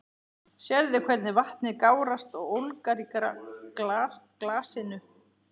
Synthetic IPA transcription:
sjɛɾðɪkʰvɛɾt̪nɪvaht̪nɪkaːwɾast̪ɔɣowlkaɾi | klaːsɪnʏ

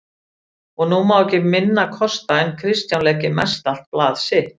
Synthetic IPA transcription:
ɔɣnumawɛcɪmɪnːakʰɔst̪aɛnkʰɾɪst̪jawnlɛːcɪmɛst̪al̥t̪̚plaːðsɪ

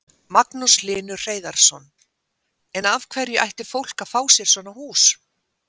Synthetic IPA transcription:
maknuslɪːnʏr̥eːjðaɾ̥sɔn | ɛnav̥kʰvɛɾjɪʔajht̪ɪfowl̥kafaːwsjɛɾ̥svɔːnahuːs

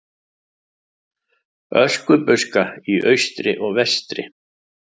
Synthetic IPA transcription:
œskʏpʏskaiʔœɥst̪ɾɪ̰ʔɔɣvɛst̪ɾɪ̰

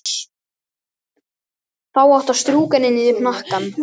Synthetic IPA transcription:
θawawht̪ast̪ɾuːkanɪnːɪɪpnahkan

